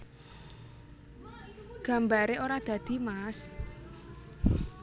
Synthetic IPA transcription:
ɡ̥a̤mbaɾeʔoɾad̪̥ä̤d̪̥i̤mas

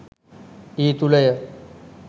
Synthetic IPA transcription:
iːt̪uləjə

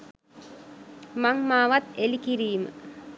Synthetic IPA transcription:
maŋmaːʋat̪elikiɾiːmə̰

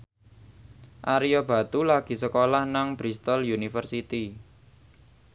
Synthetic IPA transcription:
ʔaɾijɔb̥ä̤t̪ulaɡ̥i̤səkolahnaŋb̥ɾist̪ɔljunifərsit̪i

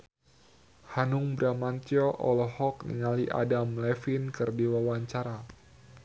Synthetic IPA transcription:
hanʊŋbɾamant̪jɔʔɔlɔɦɔknḭŋaliʔa̰damlɛfinkɨrdiwawaɲt͡ʃaɾa

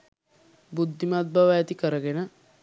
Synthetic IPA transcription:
bud̪ʱːimat̪̚bʱaʋajat̪ikəɾəɡenə

